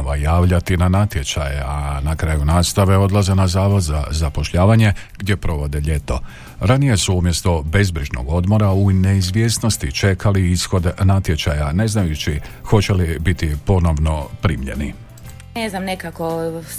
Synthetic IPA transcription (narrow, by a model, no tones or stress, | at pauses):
ʋajaːʋʎat̪inanat̪je̞t͡ʃajeanakɾajunaːst̪aʋe̞o̞d̪lˠaze̞nazaːʋo̞d̪za̰zapo̞ʃʎaːʋaɲe̞ɡdje̞pɾo̞ʋo̞d̪eʎe̞t̪o̞̰ | ɾanije̞suumje̞st̪o̞be̞zbɾiʒno̰ɡo̞d̪mo̞ɾaune̞izʋje̞sno̞st̪it͡ʃe̞kaliisxo̞d̪nat̪je̞t͡ʃajane̞znajut͡ʃixo̞t͡ɕe̞libit̪ipo̞no̞ʋno̞pɾiːmʎe̞̰nḭ | neznamnekako